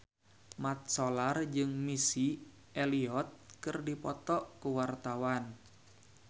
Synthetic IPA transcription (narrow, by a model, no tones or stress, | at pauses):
mat̪̚solard͡ʒɨŋmisi | eliɔt̪̚kɨrdipɔt̪ɔʔkuwart̪awan